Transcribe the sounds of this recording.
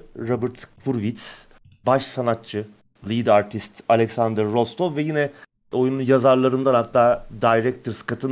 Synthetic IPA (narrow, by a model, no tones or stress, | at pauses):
ɾabɯɾt̪bʰuɾvit̪s | baʃsanat̚t͡ʃʰɯ | lʲˠid̪aɾt̪ʰist̪alʲɛksand̪ɾːost̪ʰovvɛjinɛ | ojununjazaɾlˠaɾɯnd̪anhat̪ʰːaːd̪ajɾɛkt̪ʰɾskat̪ʰɯn